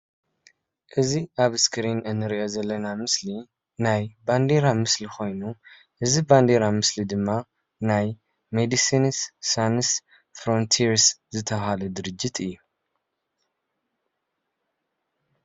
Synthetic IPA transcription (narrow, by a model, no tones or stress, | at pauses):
ʔɨziʔaβɨskɨɾinɨnːɨɾiʔo̞zɐlːɐnamɨsli | najband̪e̞ɾamɨslikʰo̞jnu | ʔɨziband̪eɾamɨslid̪ɨmːa | naj | med̪isinsːans | fɾo̞nt̪ʰiɾszɨt̪ʰɐβhalɐd̪ɨɾɨd͡ʒːit̪ʰɨjːu